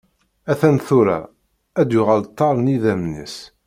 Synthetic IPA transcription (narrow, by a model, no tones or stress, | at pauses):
æθænθuɾæ̰ | æd̪jʊʁælt̪ˤːɑɾˤniðæmnə̰s